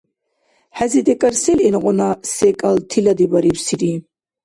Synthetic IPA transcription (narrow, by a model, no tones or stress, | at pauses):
ħæzid̪ɛkʼaɾsɛlɛnqʼɔnasɛkʼalt̪ʰilad̪ibaɾipsiɾi